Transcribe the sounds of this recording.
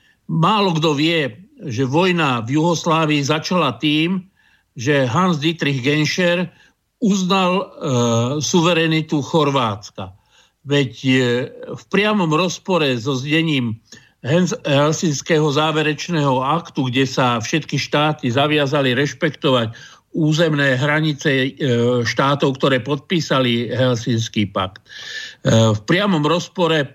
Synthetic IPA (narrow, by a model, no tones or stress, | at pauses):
maːlɔɡd̪ɔʋɪɛʒɛʋɔjnavjuɦɔslaːʋiːzat͡ʃalat̪iːm | ʒɛɦanzd̪it̪ɾiɣɡɛnʃɛɾ | uznal | suʋɛɾɛnit̪uxɔɾʋaːt͡ska̰ | ʋɛc | fpɾɪamɔmɾɔspɔɾɛzɔzɟɛɲiːm | ɦɛnɦɛlsinskɛːɦɔzaːʋɛɾɛt͡ʃnɛːɦɔakt̪uɡɟɛsafʃɛt̪kiʃt̪aːt̪izaʋɪazaliɾɛʃpɛkt̪ɔʋac | uːzɛmnɛːɦɾaɲit͡sɛ | ʃt̪aːt̪ɔʊkt̪ɔɾɛːpɔt̪̚piːsaliɦɛlsinskiːpakt̪ | fpɾɪamɔmɾɔspɔɾɛ